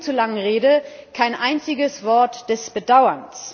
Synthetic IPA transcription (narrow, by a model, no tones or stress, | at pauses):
t͡sulaŋəʁeːdə | kʰaɪnʔaɪnt͡sɪɡəsv̥ɔɐtd̥ɛsb̥ədaʊɐns